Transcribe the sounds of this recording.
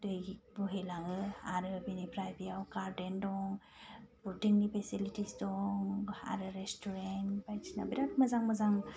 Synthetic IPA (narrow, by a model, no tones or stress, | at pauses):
dɯbuɦilaŋɯaɾɯbinipɾajbijawkaɾdɛndɔŋ | butiŋnipʰesilitisdɔŋa̰ɾɯɾɛstuɾɛnbajt͡ʃina̰biɾat̚məzaŋməzaŋ